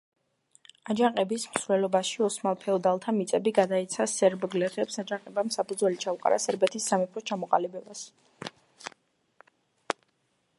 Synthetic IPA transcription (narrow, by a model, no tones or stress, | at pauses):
ad͡ʒaqʼɛbismsvɾɛlɔbaʃiɔsmalˠpʰɛɔd̪alˠt̪ʰamit̪sʼɛbiɡad̪ait̪sʰasɛɾbɡlɛχɛpsad͡ʒaqʼɛbamsapʰud̪zwɛlit͡ʃʰauqʼa̰ɾʔa̰sɛɾbɛt̪ʰisːamɛpʰɾɔt͡ʃʰamɔqʼalibɛbas